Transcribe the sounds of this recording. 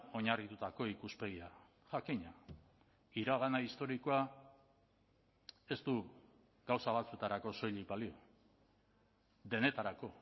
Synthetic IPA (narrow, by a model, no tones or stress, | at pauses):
o̞ɲarit̪ut̪ako̞ikuspe̞ɣia | ʝakiɲa | iɾaɣanaist̪o̞ɾikoa | e̞st̪u | ɡawsaβ̞at͡sue̞t̪aɾako̞so̞jʎik̚balio̞ | ðe̞ne̞t̪aɾako̞